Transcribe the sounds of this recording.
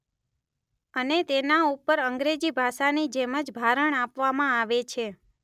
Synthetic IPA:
ənet̪enaupəɾəŋɡɾed͡ʒibʱaʃanid͡ʒeməd͡ʒbʱaɾəɳapʋamãaʋet͡ʃʰe

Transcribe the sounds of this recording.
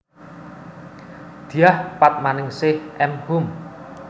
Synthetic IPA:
d̪̥i̤jahpat̪̚manɪŋsɪhʔɛmhʊm

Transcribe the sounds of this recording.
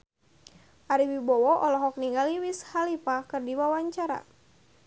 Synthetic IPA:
ʔaɾiwibɔwɔʔɔlɔɦɔk̚niŋɡaliwishalipakɨrdiwawaɲt͡ʃaɾa̰

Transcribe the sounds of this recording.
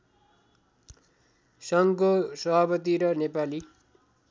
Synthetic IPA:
sʌŋkosʌbʱapʌt̪iɾʌnepali

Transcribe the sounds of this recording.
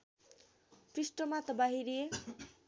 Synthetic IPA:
prisʈʌmat̪ʌbaɦiɾe

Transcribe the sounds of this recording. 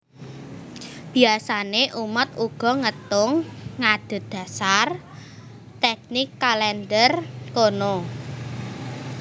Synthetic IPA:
b̥i̤asaneʔumət̪uɡ̥ɔ̤ŋət̪ʊŋːad̪̥ə̤t̪̚d̪̥ä̤sar | t̪ɛk̚nikːalɛnd̪ərkono

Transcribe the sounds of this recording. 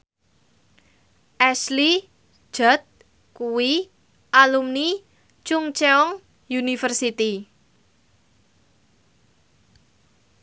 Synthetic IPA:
ʔɛsli̥ | d͡ʒ̥a̤t̪̚ | kuwi | ʔalumni | t͡ʃuŋt͡ʃɛɔŋ | junifərsit̪i

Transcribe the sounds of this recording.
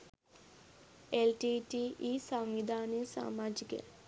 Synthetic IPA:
elʈiːʈiːʔiːsaŋʋid̪ʱaːnesa̰ːmaːd͡ʒikə̰

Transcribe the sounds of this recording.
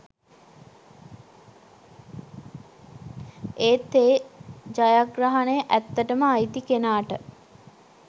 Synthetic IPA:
eːt̪eːd͡ʒajaɡɾaɦanejəʔæt̪ːəʈəməajt̪ikenaːʈə

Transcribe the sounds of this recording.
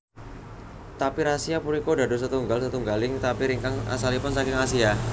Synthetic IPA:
t̪apiɾasiapuɾikoda̤dos̬ət̪uŋɡalsət̪uŋɡalɪŋt̪apiɾiŋkaŋa̰salipʊnsakɪŋasia

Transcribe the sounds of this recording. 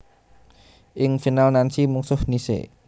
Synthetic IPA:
ʔɪŋfinalnansimuŋsʊhnisḛ

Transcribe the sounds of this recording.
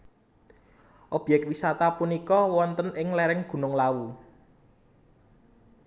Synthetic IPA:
ʔob̥jɛk̚wisat̪apunikɔwɔnt̪ənɪŋlɛɾɪŋɡ̥ṳnʊŋlawu

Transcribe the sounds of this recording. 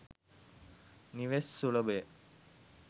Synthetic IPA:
niʋesːuɭɐbe

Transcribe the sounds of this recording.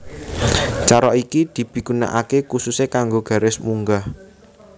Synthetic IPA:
t͡ʃaɾɔikid̪̥i̤b̥i̤ɡ̥una̰ʔakekususekaŋɡoɡ̥ä̤ɾɪsmuŋɡah

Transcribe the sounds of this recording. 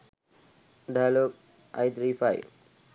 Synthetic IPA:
ɖajloːɡ̚ | ʔa̰jt̪ɾiːfaɪ

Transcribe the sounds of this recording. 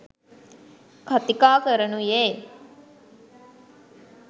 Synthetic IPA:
kat̪ikaːkəɾənujeː

